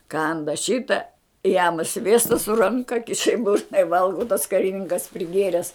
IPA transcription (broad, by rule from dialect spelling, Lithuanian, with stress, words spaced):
ˈkɐndɐ ˈʃʲɪtɐ jɛm ˈsʲʋʲiɛstɐ sʊ ˈrɐŋkɐ ˈkʲɪʃɐ ɪ ˈbʊrnɐ ɪ ˈʋɐlˠɡoː tɐs kɐrʲɪˈnʲɪŋkɐs pʲrʲɪˈɡʲeːrʲɛs